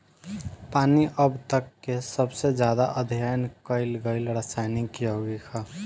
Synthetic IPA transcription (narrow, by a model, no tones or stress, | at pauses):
paːniʔəbt̪əkːesəbsed͡ʒjad̪aʔəd̪ʱijajnkəɪlɡəɪlɾəsajnikjoɡikʰa